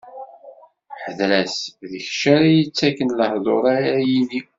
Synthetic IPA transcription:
ħəðlæsðəçʃaɾajət͡sːækːənləhðˤoɾaɾæjini

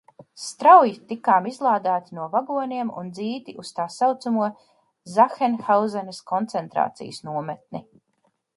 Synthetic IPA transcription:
st̪ɾawjit̪ikaːmizlˠaːd̪aːt̪inuɔvaɡuɔnʲiɛmṵnd̪ziːt̪iʔust̪aːsawt̪sumuɔ | zaxɛnxawzɛnɐskɔnt̪sɛnt̪ɾa̰ːt̪sḭjsnuɔmɛt̪̚ni

